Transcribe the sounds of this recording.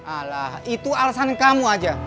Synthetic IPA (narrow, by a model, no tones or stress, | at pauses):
alahit̪ualasankamuad͡ʒa